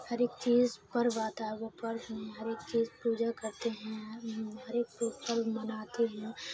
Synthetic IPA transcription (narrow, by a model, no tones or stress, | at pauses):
hɐɾeːk̚t͡ʃiːzpɐɾʋaːt̪aɦɛʋopɐɾɦɛ̃ɦɐɾeːk̚t͡ʃiːzpuːd͡ʒakɐɾt̪eɦɛ̃ɦɐɾeːk̚puːpɐɾmɐnaːt̪eɦɛ̃